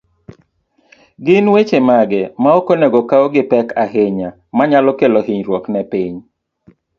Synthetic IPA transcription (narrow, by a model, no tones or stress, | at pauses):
ɡɪnwet͡ʃemaɡɛmaokoneɡokaoɡɪpɛkaɦɪɲa | maɲalɔkeloɦiɲɾwɔknɛpɪɲ